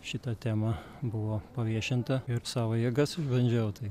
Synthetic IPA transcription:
ʃʲɪt̪ɐt̪ʲæːmɐ | bʊʋoːpɐʋʲiɛʃʲɪnt̪ɐɪrsɑːʋoːjiɛɡɐsɪʒbɐnʲd͡ʒʲɛʊt̪ɐɪ

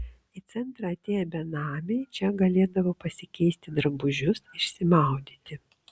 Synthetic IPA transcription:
ɪt̪sʲɛnˑt̪ɾɐɐt̪ʲeːjɛbʲɛnɑːmʲejt͡ʃʲɛɡɐlʲeːd̪ɐʋoːpɐsʲɪkʲɛɪsʲt̪ʲɪd̪ɾɐbʊʒʲʊsɪʃʲsʲɪmɑˑʊd̪ʲiːt̪ʲɪ

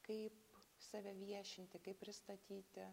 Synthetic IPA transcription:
kɐɪpsɐʋʲɛʋʲiɛʃʲɪnʲt̪ʲɪkɐɪpʲpʲɾʲɪst̪ɐt̪ʲiːt̪ʲɪ

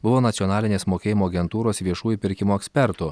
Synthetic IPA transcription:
bʊʋoːnɐt̪ʲɔnɑːlʲɪnʲeːsmoːkʲeːjɪmoːɐɡʲɛnt̪uːɾoːsʋʲiɛʃuːjʊpʲɪɾʲkʲɪmuːɛksʲpʲɛɾt̪ʊ

